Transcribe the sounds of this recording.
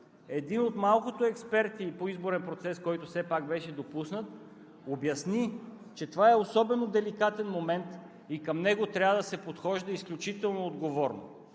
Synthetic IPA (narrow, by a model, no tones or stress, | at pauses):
ɛd̪inot̪malˠkot̪oɛkspɛɾt̪ipoizboɾɛnpɾot̪sɛskɔjt̪ʊsɛpak̚bɛʃɛd̪opusnət̪ | objɐsni | t͡ʃɛt̪ovaɛosɔbɛnod̪ɛlikat̪ɛnmomɛnt̪ | ikɐmnɛɡot̪ɾʲavəd̪ɐsɛpot̪xɔʒd̪ɐisklʲut͡ʃit̪ɛlˠnoːd̪ɡovɔɾno̰